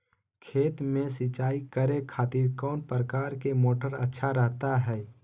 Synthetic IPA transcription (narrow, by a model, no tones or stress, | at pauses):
kʰeːt̪mẽsɪt͡ʃaːikəɾekʰaːt̪iːɾkɔːnpɾəkaːɾkemoːʈəɾə̰tːʃʰaɾəɦt̪aɦɛː